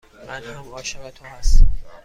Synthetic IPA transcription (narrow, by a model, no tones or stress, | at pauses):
mænhæmhɒːʃævæt̪ʰohæst̪æm